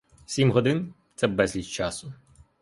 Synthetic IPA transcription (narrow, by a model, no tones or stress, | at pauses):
sʲimɦɔd̪ɪnt̪sɛbɛzʲlʲit̪t͡ʃɑsʊ